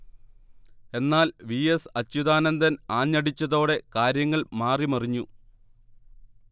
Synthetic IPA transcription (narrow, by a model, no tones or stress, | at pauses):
e̞nːaːlʋiːesɐt͡ɕːud̪aːnɐnd̪ɐnaːɲːɐɽit͡ɕːɐðo̞ːɽe̞kaːɾjɐŋːɐɭmaːrimɐriɲːu